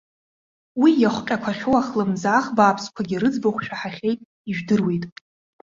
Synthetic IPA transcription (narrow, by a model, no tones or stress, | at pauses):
wijaχʷqʲʼakʷʰaχʲowaχlɨmzaːχbaːpʰskʷʰaɡʲɪɾɨd͡zboχʷʃᶣaħaχʲejtʼ | iʒᶣdɨrwejtʼ